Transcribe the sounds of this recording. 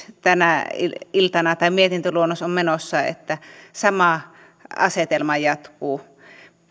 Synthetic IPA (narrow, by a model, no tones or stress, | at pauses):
t̪ænæiilt̪ɑnɑt̪ɑˑimiet̪int̪øluonːosommenosːɑḛt̪ːæsɑmɑ | ɑ̰set̪elmɑjɑt̪kuː